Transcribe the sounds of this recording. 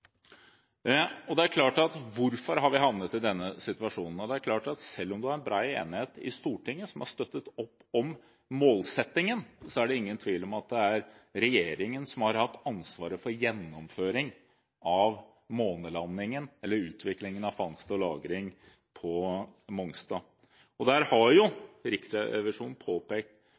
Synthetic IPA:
ɔd̪ɛæɾkʰlɑːʈɑt̪ʋʊɾfɔɾɦɑɾʋɪɦɑʋnət̪ɪd̪ɛnːəsɪt̪ʉɑʂuːnn̩ɔd̪ɛæɾkʰlɑːʈɑt̪sɛlːɔmd̪ʉhɑɾɛnbɾɑːḛːnɪheːt̪ɪ̰st̪uːʈʰɪŋːəsɔmhɑʂt̪œt̪ːət̪ɔpːɔm | moːlsɛt̪ːɪŋənsɔæɖɛɪŋːənt̪ʰʋiːlɔmɑt̪̚d̪ɛæɾ | ɾɛjeːɾɪŋənsɔmhɑɾhɑt̪ːɑnsʋɑːɾəfɔɾjɛnːɔmføːɾɪŋ | ɑʋ | moːnəlɑnːɪŋənɛlːəɾʉːt̪ʰʋɪklɪŋənɑʋfɑŋst̪ɔlɑ̰ːɡɾɪŋ | pʰɔmɔŋst̪ɑː | ɔd̪æɾhɑɾjʊɾɪksəɛʋɪʂuːnn̩pʰoːpeːk̚t̪

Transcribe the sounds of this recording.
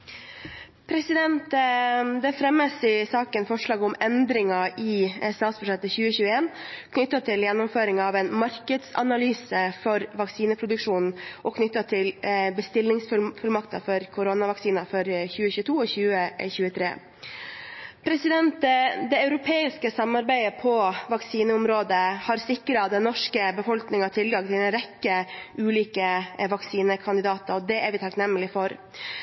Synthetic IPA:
pʰɾɛsɪd̪ɛnt̪d̪ɛfɾɛmːəsɪsɑːkənfɔʂɭɑːɡɔmɛnd̪ɾɪŋɑɪst̪ɑːt̪sbʉʂɛt̪ːəçʉːəçʉːəeːnkʰnʏt̪ːɑt̪ʰɪljɛnːʊmføːɾɪŋɑʋɛːnmɑɾkəd̪sɑ̰nɑlyːsəfɔɾʋɑksiːnəpʰɾʊd̪ʉkʂuːnn̩ʔɔkʰnʏt̪ːɑt̪ʰɪlbəst̪ɪlnɪŋsfʉlfʉlmɑkt̪ɑ̰fɔɾkʰʊɾonɑʋɑksiːnɑfɔɾçʉːəçʉːət̪ʰuːɔçʉːəçʉːət̪ʰɾḛː | pʰɾɛsɪd̪ɛnt̪d̪ɛɑʉɾʊpʰeːɪskəsɑmːɑɾbæɪəpʰɔʋɑksiːnəʊmɾoːd̪əhɑɾsɪkːɾəɑt̪d̪ɛnːɔʂkəbəfɔlknɪŋɑt̪ʰɪlɡɑŋt̪ʰɪlɛnɾɛkːəʉːliːkəʋɑksiːnəkʰɑnd̪ɪd̪ɑːt̪əɾɔd̪ɛæɾʋɪt̪ʰɑknɛmːəlɪfɔɾ

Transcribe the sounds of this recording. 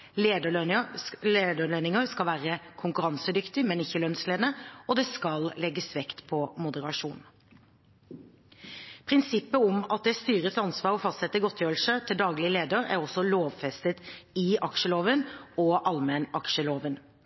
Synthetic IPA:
eːd̪ə | leːd̪əlenɪŋəɾskɑlʋæːɾəkʰʊŋkʉɾɑnsəd̪ʏkt̪ɪmɛnɪçːəlœnsleːd̪nəɔd̪ɛskɑllɛɡəsʋɛkt̪pʰɔmʊd̪əɾɑʂuːn | pʰɾɪnsɪpːəʊmɑt̪̚d̪ɛst̪yːɾət̪sɑnsʋɑːɾɔfɑst̪sɛt̪ːəɡɔt̪ʰːjøːɾl̩sət̪ʰɪld̪ɑːɡlɪəleːd̪əɾæ̰ɾʁɔsːɔloːʋfɛst̪ət̪ɪɑkʃəloːʋənɔʔɑlmɛnɑkʂəloːʋən

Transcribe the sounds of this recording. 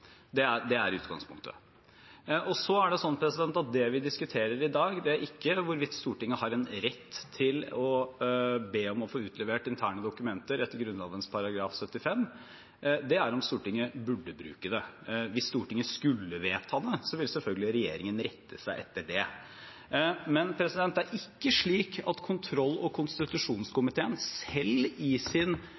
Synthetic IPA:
d̪ɛæɖ̪ɛæɾʉ̰ːt̪ɡɑ̰ŋspʰʊ̰ŋkt̪ʰə̰ | ʔɔsɔæɖɛsɔnːpʰɾɛsɪd̪ɛnt̪ɑt̪̚d̪ɛʋɪd̪ɪskʉt̪ʰeːɾəɾɪd̪ɑːɡd̪ɛæɾʔɪkːəʋʊɾʋɪt̪ːst̪uːʈɪŋːəhɑɾɛnɾɛt̪ʰːɪlɔ | beːɔmɔfoːʉːt̪ʰlɛʋeːʈɪnt̪ʰæːɳəd̪ʊkʉmɛnt̪əɾɛt̪ːəɾɡɾʉnlɑːd̪ənspʰɑɾɑɡɾɑːfsœt̪ːɪfɛmː | d̪ɛæɾɔmst̪uːʈɪŋːəbʉɖːəbɾʉ̰ːkəd̪ɛ | ʋɪsːt̪uːʈɪŋəskʉlːəʋeːt̪hɑd̪əsɔʋɪlsɛlfœlɡəlɪɾɛjḛːɾɪŋənɾɛt̪ʰːəsæɪʔɛt̪ːəɖɛ | mɛnpʰɾɛsɪd̪ɛnt̪æɾʔɪkːəʂɭiːkʰɑt̪kʰʊnt̪ʰɾɔlːɔkʰʊnst̪ɪt̪ʉʂuːnskʊmɪt̪ʰeːənsɛlɪsɪn

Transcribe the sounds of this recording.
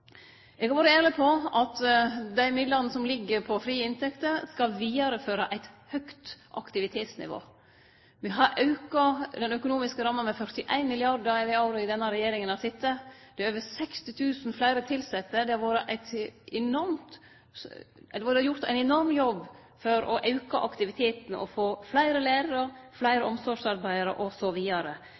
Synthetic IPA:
ʔɛɡɑɾʋoːɾəeːɾlɪpʰɔʔɑt̪d̪æɪmɪd̪ləɾnəsɔmlɪɡːəɾpʰɔfɾiːəɪnt̪ʰɛkt̪əɾskɑlʋiːɑɾəføːɾɑʔæɪt̪hœkt̪ʔɑ̰kt̪ɪʋɪt̪ʰeːt̪snɪ̰ʋo̰ː | ʋɪɦɑɾʔɑʉkɑd̪ɛnœkʊnuːmɪskəɾɑmːənmɛfœɾt̪ɪʔæ̰ɪnmɪlɪɑɾd̪əɾɛʋɛɑʉɾʊɪd̪ɛnːəɾɛjeːɾɪŋənɑsɪt̪ːəd̪̥ɛøːʋəsɛkst̪ɪt̪ʰʉːsn̩flæɪɾət̪ʰɪlsɛt̪ːəd̪ɛɑɾʋoːɾəʔæɪt̪ʔɛnɔɾmt̪ | ɛd̪jʊɾt̪æ̰ɪnɛnɔɾmjɔb | fɔɾɔ̰ʔɑʉkɑʔɑkt̪ɪʋɪt̪ʰeːt̪nɔ̰foːflæɪɾəlæɪɾɑɾə | flæɪɾəɔmsɔʂɑɾbæɪɑɾə̰ʔɔsɔʋiːɑɾə

